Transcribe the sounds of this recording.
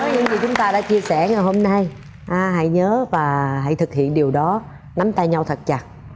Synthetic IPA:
ɔ˨˦ɲɨ˧ŋvi˨˩t͡ɕʊ˨˦ŋ͡mt̪aː˧ɗa̰ː˧˥t͡ɕi˧əsɛ˧˩ŋa˨˩hɦo˧mna˧j | ʔaː˧˩ɦa̰˧˥˨jɲəː˨˦vaː˨˩ɦa̰˧˨jt̪ʰɨ˨˩k̚hḭ˧˨ənɗi˨˩əwɗɔ˨˦ | na˨˦mt̪a˧jɲa˧wt̪ʰə˨˩t̚t͡ɕa˨˩t̚

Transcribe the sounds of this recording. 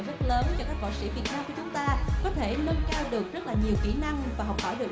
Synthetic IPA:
zə˦˥t̚ləː˨˦nt͡ɕɔ˧kaː˦˥k̚ɓa̰˧˩wsḭ˧˥vi˨˩ət̚naː˧mku˧˩ət͡ɕʊ˨˦ŋ͡mt̪aː˧kɔ˨˦t̪ʰe˧˩nə˧nkaː˧wɗɨ˨˩ək̚zə˦˥t̚laː˨˩ɲi˨˩əwxḭ˧˩na˧ŋvaː˨˩ɦɔ˨˩wk͡p̚hɔ˧˩ɗɨ˨˩ək̚

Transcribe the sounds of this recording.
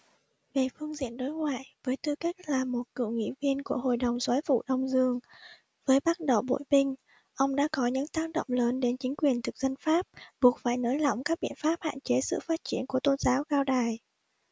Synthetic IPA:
ve˨˩fɨ˧əŋzḭ˧˨ənɗo˨˦jŋwaː˧˨jvəː˨˦jt̪ɨ˧ka˦˥k̟̚laː˨˩mo˨˩t̚kɨ̰˧˩˨wŋḭ˧˥˨vi˧ənku˧˩əɦo̰˧˨jɗə˨˩wŋ͡mswaː˨˦jfṵ˧˨ɗə˧wŋ͡mzɨ˧əŋ | vəː˨˦jɓa˦˥t̚ɗə˨˩wɓo̰˧˨jɓï˧ŋ̟ | ʔə˧wŋ͡mɗa̰ː˧˥kɔ˨˦ɲɨ̰˧˥ŋt̪aː˦˥k̚ɗə̰˧˨wŋ͡mləː˨˦nɗe˨˦nt͡ɕï˨˦ŋ̟kwi˨˩ənt̪ʰɨ˨˩k̚zə˧nfaː˦˥p̚ɓu˨˩ət̚faː˧˩jnəː˨˦jla̰˧˩wŋ͡mkaː˦˥k̚ɓḭ˧˨ənfaː˦˥p̚ha̰ː˧˨nt͡ɕe˨˦sɨ̰˧˨faː˦˥t̚t͡ɕi˧˩ənku˧˩ət̪o˧nzaː˨˦wɣaː˧wɗaː˨˩j

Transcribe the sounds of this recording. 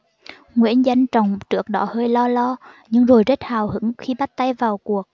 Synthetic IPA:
ŋwḭ˧˥ənza˧jŋ̟t͡ɕa˨˩wŋ͡mt͡ɕɨ˦˥ək̚ɗɔ˧˨˦həː˧jlɔ˧lɔ˧ | ɲɨ˧ŋzo˨˩jze˦˥t̚haː˨˩whɨ̰˧˥ŋxi˧ɓa˦˥t̚t̪a˧jvaː˨˩wku˨˩ək̚

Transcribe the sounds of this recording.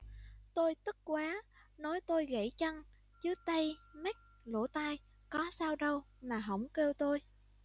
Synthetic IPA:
t̪o˧jt̪ɨ˦˥k̚kwaː˨˦nɔ˨˦jt̪o˧jɣə̰˧˩jt͡ɕə˧n | t͡ɕɨ˨˦t̪ə˧jmɛ˦˥k̚ | lo̰˧˩t̪aː˧j | kɔ˨˦saː˧wɗə˧w | maː˨˩ɦə̰˧˩wŋ͡mke˧wt̪o˧j

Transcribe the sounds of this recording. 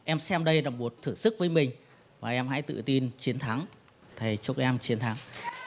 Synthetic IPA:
ʔɛ˧msɛ˧mɗə˧jɗaː˨˩wŋ͡mɓu˨˩t̚t̪ʰɨ˧˩sɨ˦˥k̚vəː˨˦jmï˨˩ŋ̟ | vaː˨˩ʔɛ˧mha̰˧˥jt̪ɨ̰˧˨t̪i˧nt͡ɕi˨˦ənt̪ʰa˨˦ŋ | t̪ʰa˨˩jt͡ɕu˦˥k̚ʔɛ˧mt͡ɕi˨˦ənt̪ʰaː˨˦ŋ

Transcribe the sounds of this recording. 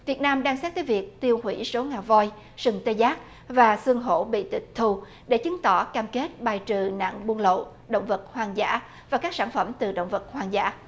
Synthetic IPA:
vi˨˩ət̚naː˧mɗaː˧ŋsaː˦˥t̚t̪əː˨˦jvi˨˩ək̚t̪i˧əwhwḭ˧˥so˨˦ŋaː˨˩wvɔ˧j | sɨ˨˩ŋt̪e˧jzaː˦˥k̚ | vaː˨˩sɨ˧əŋɦo̰˧˥ɓḭ˧˨t̪i˨˩t̚t̪ʰu˧˩ | ɗe˧˩t͡ɕɨ˨˦ŋt̪ɔ˧˩kaː˧mke˦˥t̚ɓaː˨˩jt͡ɕɨ˨˩na̰˧˨ŋɓu˧əŋlo̰˧˨ | ɗo̰˧˨wŋ͡mvə˨˩t̚hwaː˧ŋza̰ː˧˥ | vaː˨˩kaː˦˥k̚saː˧˩nfə˧˩mt̪ɨ˨˩ɗo̰˧˨wŋ͡mvə˨˩t̚hwaː˧ŋza̰ː˧˥

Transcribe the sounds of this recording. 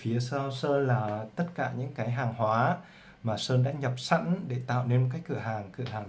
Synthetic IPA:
fi˨˦əsəː˧səː˧nlaː˨˩t̪ə˦˥t̚kaː˧˩ɲɨ̰˧˥ŋkaː˨˦jɦaː˨˩ŋhwaː˨˦ | maː˨˩səː˧nɗa̰ː˧˥ɲə˨˩p̚sa̰˧˥nɗe˧˩t̪a̰ː˧˨wne˧nmo˨˩k̬aː˦˥jk̚kɨ̰˧˩əɦaː˨˩ŋkɨ̰˧˩˨əhɦaː˨˩ŋ

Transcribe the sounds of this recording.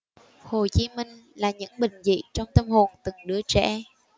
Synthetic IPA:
ho˨˩t͡ɕi˨˦mï˧ŋ̟laː˨˩ɲɨ̰˧˥ŋɓï˨˩ŋ̟zḭ˧˨t͡ɕɔ˧wŋ͡mt̪ə˧mho˨˩nt̪ɨ˨˩ŋɗɨ˨˦ət͡ɕɛ̰˧˥

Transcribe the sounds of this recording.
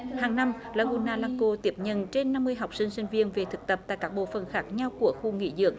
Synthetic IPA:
haː˨˩ŋna˧mlaː˧˩ɣu˧˩nːaː˧˩laː˧ŋko˧t̪i˦˥əp̚ɲə̰˧˨nt͡ɕe˧nːa˧mːɨ˧əjɦa˨˩wk͡p̚sï˧ŋ̟sï˧ŋ̟vi˧ənve˨˩t̪ʰɨ˨˩k̚t̪ə˨˩p̚t̪a̰ː˧˨kaː˦˥k̚ɓo̰˧˨fə̰˨˩nxaː˦˥k̚ɲa˧wku˧˩əxu˧ŋḭ˧˥zɨ̰˧˩ək̚

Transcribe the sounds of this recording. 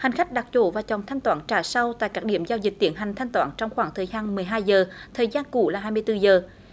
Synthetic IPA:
ha˨˩jŋ̟xa˦˥k̟̚ɗa˨˩k̚t͡ɕo̰˧˦vaː˨˩t͡ɕɔ˨˩nt̪ʰa˧jŋ̟t̪waː˧˦nt͡ɕaː˧˩sa˧wt̪a̰ː˧˨kaː˦˥ɗḭ˧˩əmzaː˧wzï˨˩k̚t̪ḭ˧˦ənɦa˨˩jŋ̟t̪ʰa˧jŋ̟t̪waː˧˦nt͡ɕɔ˧wŋ͡mxwaː˧˩ŋt̪ʰəː˨˩jzaː˧nmɨ˨˩əjɦaː˧jzəː˨˩t̪ʰəː˨˩jzaː˧nku˧˩laː˨˩ɦaː˧jmɨ˧əjt̪ɨ˧zəː˨˩

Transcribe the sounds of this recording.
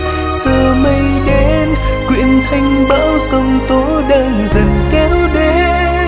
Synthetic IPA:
səː˧˩mə˧j | ɗe˨˦n | kwḭ˧˨ənt̪ʰa˧jŋ̟ɓaː˧˥wsə˧wŋ͡mt̪o˨˦ɗəː˧nzə˨˩nkɛ˨˦wɗe˨˦

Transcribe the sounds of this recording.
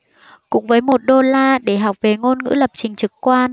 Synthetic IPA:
kʊ̰˧˥ŋ͡mvəː˨˦jmo˨˩t̚ɗo˧laː˧ɗe˧˩ɦa˨˩wk͡p̚ve˨˩ŋo˧nŋɨ̰˧˥lə˨˩p̚t͡ɕï˨˩ŋ̟t͡ɕɨ˨˩kkwaː˧n

